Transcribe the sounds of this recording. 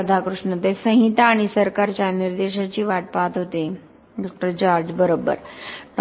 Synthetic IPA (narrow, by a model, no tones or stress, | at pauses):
əd̪ʱakɾuʂɳət̪esə̃ɦit̪aːɽ̃isəɾkaɾt͡ɕjaniɾd̪eɕat͡ɕiːʋaʈ̚pat̪ɦot̪e | ɖɔk̚ʈəɾd͡ʑaɾd͡ʑbəɾobːə̰ɾʈ